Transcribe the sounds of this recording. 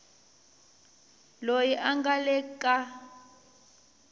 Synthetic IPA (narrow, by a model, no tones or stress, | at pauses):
lojiʔaŋɡalɛkʼa